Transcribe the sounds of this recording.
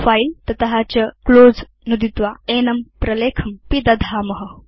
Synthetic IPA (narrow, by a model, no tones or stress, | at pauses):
faːilt̪ɐt̪ɐɦat͡ɕɐkloːd͡z | nud̪it̪ʋaeːnɐmpɾɐleːkʰɐmpid̪ɐd̪ʱaːmɐɦə